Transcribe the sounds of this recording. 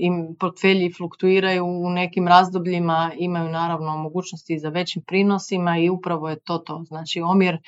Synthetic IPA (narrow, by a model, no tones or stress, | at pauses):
impoɾt̪fe̞ʎiflukt̪uiːɾajuːne̞kimɾaːzd̪obʎimaimajunaːɾaʋno̞moɡuːt͡ʃnost̪izaʋe̞t͡ɕimpɾiːno̞simaiupɾaʋo̞je̞t̪o̞ːt̪o̞znaːt͡ʃio̞mjeɾ